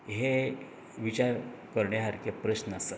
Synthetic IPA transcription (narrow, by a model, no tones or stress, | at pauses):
ɦe | ʋit͡ɕaɾkəɾɳjeɦaɾkepɾəɕnəsat̪